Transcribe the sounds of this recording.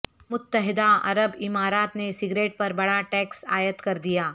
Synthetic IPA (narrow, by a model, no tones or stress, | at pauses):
mʊt̪ːəɦɪd̪aɐ̰ɾəbɪmaːɾaːt̪nesɪɡɾeːʈ̚pɐɾbɐɽaʈɛːksa̰ːjət̪kɐɾd̪ijaː